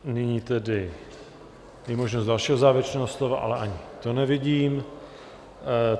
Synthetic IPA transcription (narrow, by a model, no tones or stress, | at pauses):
nɪɲiːt̪ɛdɪ | jɛmoʒnost̪dalʃiːɦozaːvɾɛt͡ʃnɛːɦoslovaʔa̰lɛʔaɲɪt̪onɛvɪɟiːm